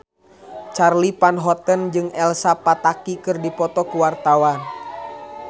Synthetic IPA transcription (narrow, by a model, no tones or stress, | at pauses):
t͡ʃarlipanɦɔt̪ənd͡ʒɨŋɛlsapat̪akikɨrdipɔt̪ɔkuwart̪awan